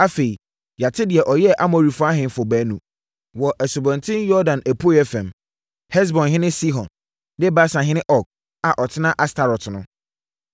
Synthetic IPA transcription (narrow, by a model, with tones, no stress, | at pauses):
a˦fe˨i˨ | ja˨tʰɪ˦dɪ˨ɛ˨ʔɔ˨jɛ˦ʔa˦mɔ˨ɾi˨fʊ˦a˦ɦɪ̃˨fʊ˨bæː˨˦nũ˨ | wɔ˨ʔɛ˨su˨bɔ̃˨ntʰɪ̃˦njɔ˦dã˨nʔæ˨pʰo˦jɛ˦fɛ̃˨m | hɛ˦s̬bɔ̃˨nɦɪ̃˦nɪ̃˦si˦ɦɔ̃˨n | dɪ˦ba˦sã˨ɦɪ̃˦nɪ̃˦ʔɔ˦˨k̚ | a˨ʔɔ˨tʰɪ˦nã˦ʔa˦stʰa˨ɾɔ˨tʰnʊ̃˦